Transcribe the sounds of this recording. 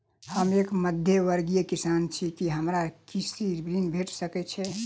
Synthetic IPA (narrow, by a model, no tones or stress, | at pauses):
həmeːkməd̪ʱjeʋəɾɡijekisant͡ʃʰikiɦəmɾakisibɾinbʱeʈsəkɛt͡ʃʰɛ